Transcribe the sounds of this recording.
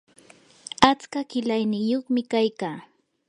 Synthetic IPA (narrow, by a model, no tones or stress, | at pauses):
at͡skakɪlajnɪjoχmɪkajkaː